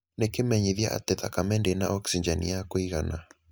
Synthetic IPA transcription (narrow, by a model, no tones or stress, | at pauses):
nekemɛɲiðiaʔa̰tɛðakamɛndenaʔɔksiɲd͡ʒɛnḭakoiɣana